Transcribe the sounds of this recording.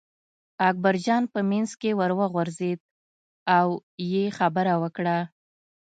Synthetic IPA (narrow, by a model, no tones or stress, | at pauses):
ak̚baɾd͡ʒɑnpəmanzkewəɾwaɣwʊɾzed̪̚ | awjexabəɾawəkɽa